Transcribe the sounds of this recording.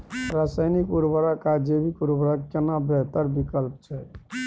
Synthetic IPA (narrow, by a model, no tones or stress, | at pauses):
ɾasajnikuɾbəɾəkad͡ʒebikuɾbəɾakkenabɛɦt̪əɾbikəlpt͡ʃʰɛ